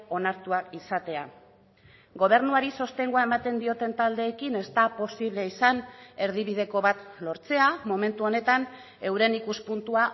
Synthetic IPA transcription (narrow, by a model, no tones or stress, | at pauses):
o̞naɾt̪uakisat̪e̞a̰ | ɡo̞β̞e̞ɾnuaɾiso̞st̪e̞ŋɡoaemat̪e̞nd̪io̞t̪e̞nt̪ald̪e̞ːkine̞st̪apo̞siβle̞isane̞ɾð̞iβið̞e̞ko̞βat̪lo̞ɾt͡se̞amo̞me̞nt̪uo̞ne̞t̪an | e̞wɾe̞nikuspunt̪ua